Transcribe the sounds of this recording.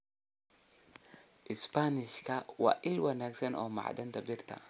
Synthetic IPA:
ʔɪspanɪʃkʰɐwɑ̰ːʔɪlwɐnaːɡsɐnʔɔːmɑ̰ʕd̪ɐnt̪ʰɐbɪrt̪ʰɐ̰

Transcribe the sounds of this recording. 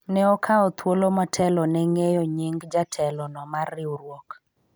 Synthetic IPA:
nɛɔkʰaɔt̪wolomatʰɛlɔnɛŋejɔɲiŋɡd͡ʒatʰɛlɔnɔmarːɪuɾwok

